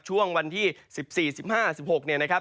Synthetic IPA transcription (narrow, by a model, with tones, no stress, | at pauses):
t͡ɕʰu˥˩əŋwa˧nt̪ʰiː˥˩si˨˩p̚siː˨˩si˨˩p̚haː˥˩si˨˩p̚ho˨˩k̚ni˥˩ɐna˦˥kʰa˦˥p̚